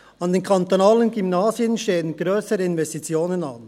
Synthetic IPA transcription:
ɑnd̪enkʰɑnt̪onaːlənɡymnaːziənʃteːənɡ̥ɾøːsəɾəɪnvɛstit͡sjoːnənɑ̰n

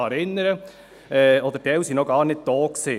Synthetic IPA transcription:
ɑɾɪnːəɾə | ɛɔd̪əɾd̥ɛwsinɔɡɑːɾnɪt̚d̪̥ɔːkse

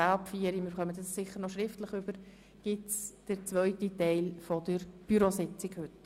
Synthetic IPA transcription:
apfiəɾimɪːɾχœmədəssɪχːəɾnɔʃɾɪftləχʉb̥əɾ | ɡ̥ɪtsd̥əɾt͡sʋœʏtitɛɪlfɔdəɾb̥yɾosɪt͡sɪɡhɵt

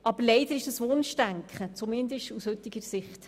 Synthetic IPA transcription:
ʔɑb̥əɾleɪd̪əɾɪʃd̥ɑsmoːnʃtæŋkχət͡sumɪnd̪əʃtushɵt̪ːɪɡ̥əɾsɪχt

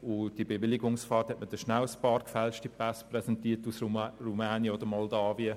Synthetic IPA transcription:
ʊd̥iəbeʋɪlɪɡʊŋsfɑːrthɛtmədɛʃnawəspɑːɾkfɛlʃtipasprɛsɛntiːtusrumɛːnjəodəmɔldaːviə

